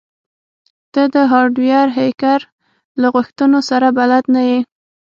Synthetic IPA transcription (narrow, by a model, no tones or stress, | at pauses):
d̪̥əd̪əɦɑɖwjɑɾɦejkaɾ | laɣʊxt̪ənosaɾabalad̪naji